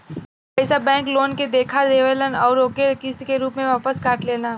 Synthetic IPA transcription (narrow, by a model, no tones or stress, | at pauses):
pɛːsabɛ̃ːŋkloːnked̪eːkʰad̪eːʋələnɔːɾoːkeɾkɪst̪keɾuːpmẽʋaːpəskaːʈleːna